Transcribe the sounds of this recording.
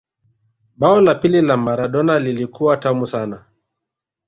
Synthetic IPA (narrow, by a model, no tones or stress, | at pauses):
ɓaɔlapililamaɾaɗɔnalilikuwatamusana